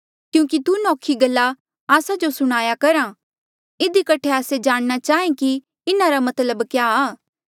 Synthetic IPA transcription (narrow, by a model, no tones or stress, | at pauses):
kjũːkit̪unɔːkʰiɡɐlːa | aːsad͡ʒosʊɽ̃aːjakɐɾã | ɪd̪ikɐʈʰeaːsed͡ʒaːɽ̃nat͡ʃaːɦẽki | ɪnaɾamɐt̪ləbkjaːaː